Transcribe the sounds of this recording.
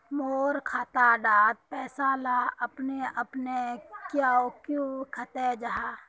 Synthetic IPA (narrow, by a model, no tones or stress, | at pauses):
moːɾkʰaːt̪aɖaːt̪̚pɛːsalaəpneəpnekjaokjũkʰət̪ed͡ʒaɦaː